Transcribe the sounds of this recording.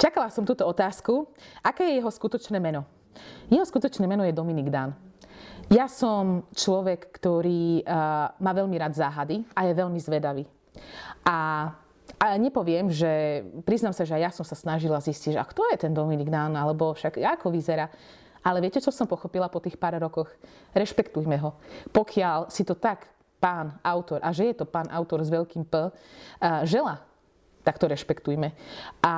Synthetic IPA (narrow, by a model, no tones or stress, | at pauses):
t͡ʃakalasɔmt̪uːt̪ɔɔt̪aːskuakɛːjɛjɛɦɔskut̪ɔt͡ʃnɛːmɛnɔ | jɛɦɔskut̪ɔt͡ʃnɛːmɛnɔjɛd̪ɔminiɡd̪an | jasɔmt͡ʃlɔʋɛkːt̪ɔɾiː | maːʋɛʎmiɾaːd̪zaːɦad̪iajɛʋɛʎmizʋɛd̪aʋiː | ʔa | aɲɛpɔʋɪɛmʒɛpɾiznamsaʒɛajasɔmsasnaʒilazisciʒa̰kt̪ɔjɛt̪ɛnd̪ɔminiɡd̪analɛbɔfʃaɡakɔʋizɛɾaː | ʔalɛʋɪɛcɛt͡ʃɔsɔmpɔxɔpilapɔt̪iːxpaːɾɾɔkɔx | ɾɛʃpɛkt̪ujmɛɦɔpɔkʰɪalsit̪ɔt̪ak | paːnaʊt̪ɔɾʔaʒɛjɛt̪ɔpaːnʔaʊt̪ɔɾzʋɛʎkiːmpl̩ | ʒɛla | t̪akt̪ɔɾɛʃpɛkt̪ujmɛʔa